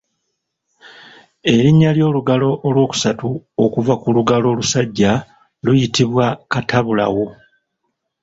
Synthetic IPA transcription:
e̞ɾiɲːaljo̞ːluɡalo̞ʔːlwo̞ːku̥satuokuvakuluɡalo̞ːlusaɟːa | lujitiβwakatʰaβula̰wo̞

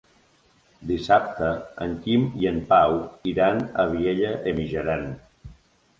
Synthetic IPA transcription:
d̪isap̚t̪əəŋkimiənpawiɾanəβieʎəʔemiʒəɾan

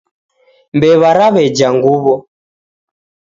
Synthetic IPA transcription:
mbɛβaɾaβɛd͡ʒaŋɡuβɔ

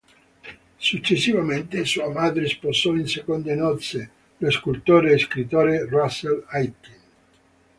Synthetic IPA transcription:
sut͡ʃːesːivament̪esuːamaːd̪ɾesposɔinsekond̪enɔt̪se | leskult̪oːɾeːskɾit̪oːɾeraselajt̪in

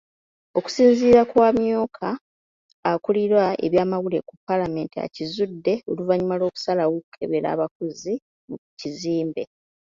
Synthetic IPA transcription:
o̞ku̥siːnziːɾakwaːmjo̞ːkʰaː | kuliɾwaʔe̞̰βjaːmaɣule̞kupːalame̞ːntia̰cizudːe̞oluvaɲimalo̞ːku̥salawoku̥kʰe̞βe̞ɾa̰ːβakuzi | muciziːmbe̞̰

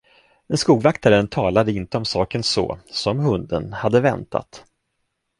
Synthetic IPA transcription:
ɛnskuːɡvakt̪ʰaɾənt̪ʰɑːlad̪əɪnt̪əɔmsɑːkənsɔ̰ːsɔmhɵnd̪ənhad̪ːəvɛnt̪ʰa̰t̪

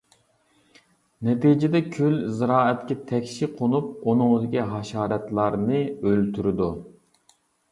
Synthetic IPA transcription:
nɛt̪id͡ʒɪd̪ɛkʲʰylzɾɑːɛt̪kʲɛt̪ʰɛkʲʃiqʰonˠup̚unʊŋzɪkʲiɦɑʃɑːɾɛt̪lˠɑɾnɨølt̪ʰyɾɪd̪u

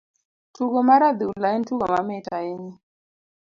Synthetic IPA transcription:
tuɡɔmaɾad̪iulaintuɡɔmamɛtaeɲi

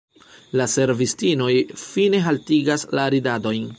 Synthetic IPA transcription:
lase̞ɾvistino̞jfine̞ɦaltiɡaslaɾidado̞jn

